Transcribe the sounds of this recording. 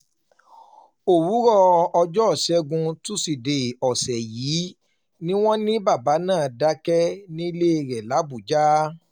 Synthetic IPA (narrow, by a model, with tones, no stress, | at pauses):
o˨wu˨˦ɾɔ˦ɔ˧d͡ʒɔ˦˨sɛ˧˦ɡũ˧tu˦si˨de˨ɔ˨sɛ˨jiː˨˦ | nĩ˦w̃ɔ̃˦nĩ˦ba˦˨ba˨˦nãː˦˨da˦kɛ˦nĩ˦i˦le˦˨˧ɾɛ˨la˨˦bu˨d͡ʒa˦